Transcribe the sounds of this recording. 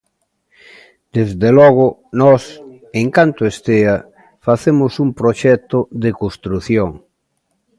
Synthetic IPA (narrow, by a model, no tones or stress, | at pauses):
d̪̥ezðelɔɣ̞ʊnɔs | eŋkant̪ʊest̪eɐ | faθemʊsumpɾoʃɛt̪ʊðekost̪ɾuθjoŋ